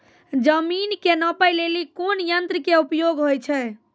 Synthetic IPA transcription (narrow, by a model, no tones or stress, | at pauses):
d͡ʒəminkenəpəjlelikonjənt̪ɾəkeupjoɡɦojt͡ʃʰɛ